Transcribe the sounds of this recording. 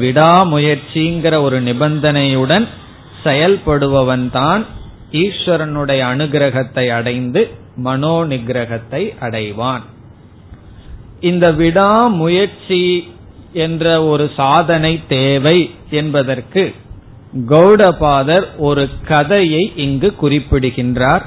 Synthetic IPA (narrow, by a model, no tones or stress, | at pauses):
ʋɪɽaːmʊjɐɾt͡ʃiŋɡɪɾɐɔɾɯnɪbɐnd̪ɐnɐjɯɽɐn | sɛjɐlpɐɽɯʋɐʋɐnt̪aːn | iːʂʋɐɾɐnɯɽɐjɐːnɯɡɾɐɣɐt̪ːɐɪɐɽɐɪnd̪ɯ | mɐnoːnɪɡɾɐɣɐt̪ːɐɪʔɐɽɐɪʋaːn | ɪnd̪ɐʋɪɽaːmʊjɐɾt͡ʃi | ɛndrɐɔɾɯsaːðɐnɐɪt̪ːeːʋɐɪ | ɛnbɐðɐrkɯ | ɡɐʊɽɐpaːðɐɾɔɾɯkɐðɐjɐɪʔɪŋɡɯkːʊrɪpːɪɽɯɣɪndraːɾ